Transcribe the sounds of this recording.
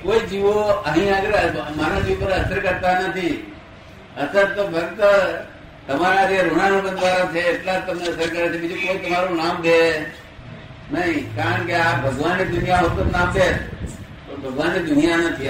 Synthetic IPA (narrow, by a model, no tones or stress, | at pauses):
koːiːd͡ʒiʋoəɦĩːəɡəɾmaːɾõd͡ʒipəɾɐsəɾkəɾt̪anət̪ʰi | ɐsəɾt̪obʱɐɾt̪ə | t̪ɐmaːɾaɾiəɾʊɽ̃aɾoɡə̃nd̪ʋaːɾat͡ʃʰeɪt̪lat̪ɐmeɐsəɾkəɾet̪imɪ̃d͡ʒokoːit̪ɐmaːɾonaːmd̪e | nəĩkaːəɳ̃keabʱɐɡʋaːnid̪ʊnɪjaɦot̪ənnãːmd̪eːs | pɐɾbʱɐɡʋaːnid̪ʊnɪjanɐt̪ʰia